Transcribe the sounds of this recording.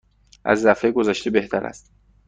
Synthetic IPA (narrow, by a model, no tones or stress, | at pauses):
ʔæ̰zːæfejɡozæʃt̪ebe̞ht̪ʰæɾæ̰st̪